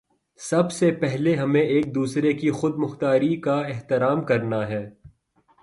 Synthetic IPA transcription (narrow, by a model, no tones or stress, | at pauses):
sɐbsepɛɦleɦɐmẽeːk̚d̪uːsɾekixʊd̪̚mʊxt̪aːɾikaɪɦt̪ɪɾaːmkɐɾnaɦɛː